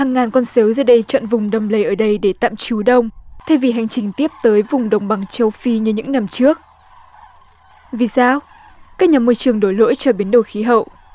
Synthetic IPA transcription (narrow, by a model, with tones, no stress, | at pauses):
haː˨˩ŋːaː˨˩nkɔ˧nsəː˨˦wzəː˧˩ɗə˧jt͡ɕɔ̰˧˨nvʊ˨˩ŋ͡mɗə˨˩wŋ͡mlə˨˦jʔəː˧˩ɗə˧jɗe˧˩t̪a̰ː˧˨mt͡ɕu˨˦ɗə˧wŋ͡mt̪ʰa˧jvi˨˩ɦa˨˩jŋ̟t͡ɕï˨˩ŋ̟t̪i˦˥əp̚t̪əː˨˦jvʊ˨˩ŋ͡mɗə˨˩wŋ͡mɓa˨˩ŋt͡ɕə˧wfi˧ɲɨ˧ɲɨ̰˧˥ŋna˧˩mt͡ɕɨ˦˥ək̚ | vi˨˩saː˧w | kaː˦˥k̚ɲaː˨˩mu˧jt͡ɕɨ˨˩əŋɗo˧˩jlo̰˧˥jt͡ɕɔ˧˩ɓi˨˦ənɗə˨˩wxi˨˦ɦə̰˧˨wʔ